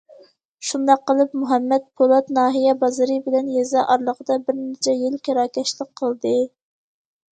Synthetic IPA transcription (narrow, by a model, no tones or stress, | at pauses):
ʃund̪ɑqːəlˠɨpmuɦɛmːɛt̪̚pʰolˠɑt̪nɑːɦijɛbɑzɨɾɨbɪlɛnjɛzɑʔɑɾlˠəʁəd̪ɑbɪɾnɪt͡ʃʰɛjɪlkʲeɾɑːkʲɛʃlɪk̚qʰəlˠd̪ɨ